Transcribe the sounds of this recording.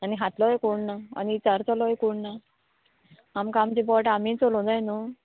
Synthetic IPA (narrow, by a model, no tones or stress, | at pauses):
aniɦat̪lɔjkoɳnaa̰nit͡səɾt͡salɔejkoɳna | amkamt͡ɕipɔʈamiːt͡solõd͡zajno